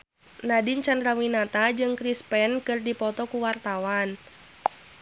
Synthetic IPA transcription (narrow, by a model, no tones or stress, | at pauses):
nadint͡ʃandɾawinat̪ad͡ʒɨŋkɾispɛnkɨrdipɔt̪ɔkuwart̪awan